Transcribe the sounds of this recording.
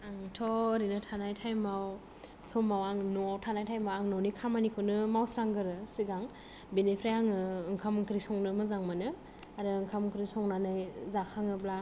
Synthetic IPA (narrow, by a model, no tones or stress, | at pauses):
aŋtʰɔɾinɯtʰanajtʰajmaw | sɔmawaŋnɔawtʰanajtʰajmawaŋnɔwnikʰamanikʰɯnɯmawsɾaŋɡɯɾɯsiɡaŋ | benepʰɾajaŋɯɯŋkʰamɯŋkʰɾisɔŋnɯmɯzaŋmanɯ | aɾɯɯŋkʰamɯŋkʰɾisɔŋnanajzakʰaŋɯbla